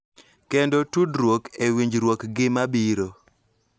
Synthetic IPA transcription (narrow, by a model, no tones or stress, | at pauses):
kendotudɾwokewiɲd͡ʒɾwokɡɪmabiɾo